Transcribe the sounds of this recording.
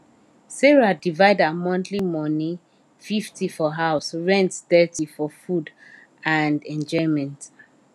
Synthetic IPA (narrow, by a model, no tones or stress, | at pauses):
sɛɹadivaɪdamɔ̃ntʰlimɔnĩ | fiftʰifɔɦaʊsɹɛ̃ntsdɛtʰifɔfud | ãndɛ̃nd͡ʒɔmɛ̃nt